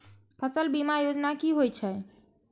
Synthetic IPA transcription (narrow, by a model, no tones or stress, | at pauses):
pʰəsəlbimajod͡ʒnakiɦojt͡ʃʰɛ